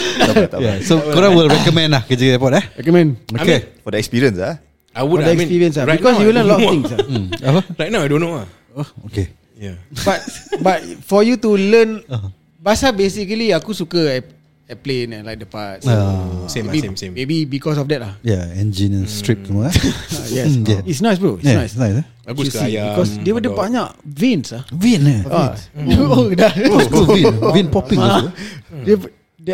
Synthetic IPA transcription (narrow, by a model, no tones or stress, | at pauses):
t̪ajasokoɾãwilɹɛkɔmɛ̃nlahkəd͡ʒəɡədɛpɔtɛɹɛkɔmɛ̃nokefɔdəɛkspiɹiə̃nsa | awufɔdəɛksnpiɹiə̃nsaɹaikɔsjulə̃nlɔtɔft̪ĩŋsaawəɹajt̚nawajdõnːoa | ooke | jabat̚bat̚fɔjutulən | basabesikəliakusukəɛ | ɛplẽnɛ̃nlajk̚dəpat̚aebimebibikɔs̬ɔfdɛt̚lahjaɛ̃nd͡ʒĩnɛ̃nstɹip̚tumɔajjɛjɛitsnasbuijɛnassnajs | usibikɔsdewədəpaɲaʔvẽnsavĩnaa | odauĩnvĩnpɔpĩŋ | dɛ | dɛ